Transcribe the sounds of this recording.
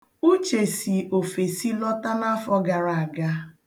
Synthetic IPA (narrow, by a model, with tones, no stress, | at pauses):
u˦t͡ʃe˨si˨o˨fe˨si˦lɔ˦ta˦na˦fɔ˦ɡa˨ɾa˨a˨ɡa˦